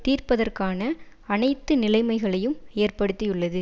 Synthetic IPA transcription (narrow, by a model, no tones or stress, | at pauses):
t̪iːrpɐðɐrkaːnɐ | ɐnɐɪt̪ːɯnɪlɐɪmɐɪɣɐɭɐjɯmeːrpɐɽɯt̪ːijɯɭːɐðɯ